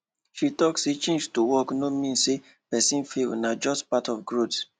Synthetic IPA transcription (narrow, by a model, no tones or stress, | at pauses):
ʃitɔkset͡ʃẽnd͡ʒtowɔknomĩnse | pɛsĩnfelnad͡ʒɔstpatɔfɡɹot